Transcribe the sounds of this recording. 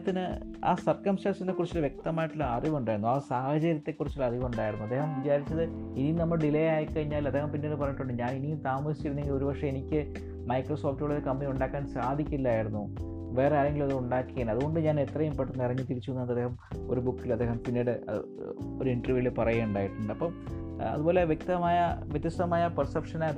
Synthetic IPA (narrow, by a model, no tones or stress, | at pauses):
t̪ːinɨ | a̰ːsɐrkɐmsʈaːnsɐnːekːurit͡ɕːilʋjek̚t̪ɐmaːjiʈːulːɐɐriʋuɳɖaːjiɾunːuaːsaːhɐt͡ɕɐɾjɐt̪ːe̞kːurit͡ɕːilɐriʋuɳɖaːjiɾunːuɐd̪ːeːɦɐmʋit͡ɕaːɾit͡ɕːɐðɨ | inijnɐmːɐɭɖilejaːjikːɐɻiɲːaːlɐd̪ːe̞ːhɐmpinːeːɽɨpɐrɐɲːiʈːuɳɖɨɲaːninijumt̪aːmɐsi̥t͡ɕːiɾunːe̞ŋɡilo̞ɾubɐkʂeenikʲːɨ | mɐjkroso̞ːftːuɭoðekɐmːɐniuɳɖaːkːaːnsaːd̪ʱikʲːilːaːjiɾunːu | ʋe̞ːreaːlɐŋɡilɐðɨuɳɖaːkːieːnɐðuɣo̞ɳɖɨɲaːne̞t̪rɐjumpeʈːunːirɐɲːit̪iɾit͡ɕːuunːɐenɐd̪eːhɐmo̞̰ɾubukːilɐd̪ːehɐmpinːeːɽɨɐ̰ | o̞ɾuiɳʈɐrʋijilepɐrɐjeːuɳɖaːjiʈːuɳɖɨɐpːɐmɐ̰ðubo̞ːle̞ʋjek̚t̪ɐmaːjɐʋjet̪ːjɐst̪ɐmaːjɐpɐrsɐpʂɐnaː